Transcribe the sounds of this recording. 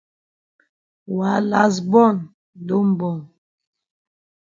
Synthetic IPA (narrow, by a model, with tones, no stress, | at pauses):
wa˨˦la˦s̬bɔ˦˨n | do˦m̩˨bɔ˨ŋ